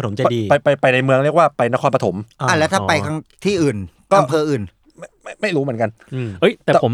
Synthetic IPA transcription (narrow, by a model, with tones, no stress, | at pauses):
a˧t̪ʰo˩˦mt͡ɕa˧diː˧a˧jpa˧jpa˧jna˧jmɯ˧əŋɾi˥˩ək̚waː˥˩pa˧jna˦˥kʰɔː˧pa˧t̪ʰo˩˦mʔa˧˩lɛ˦˥t̪aː˥˩pa˧jkʰa˧ŋt̪ʰiː˥˩ʔɯː˨˩nkɔː˥˩ʔa˧mpʰɤː˧ʔɯː˨˩n | ma˥˩ma˥˩jma˥˩jɾuː˦m˩˦ə˦nka˧n | ɯ˩ʔɤ˦˥jt̪ɛː˨˩ɛː˨˩pʰo˩˦